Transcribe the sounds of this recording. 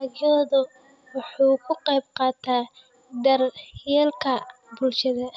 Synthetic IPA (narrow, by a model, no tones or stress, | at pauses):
jɔːðʊ | wɑħuːkʰʊqɑjb̚qɑːt̪ʰaː | d̪ɐrjɛːlkʰɐ | bulʃɐðɐ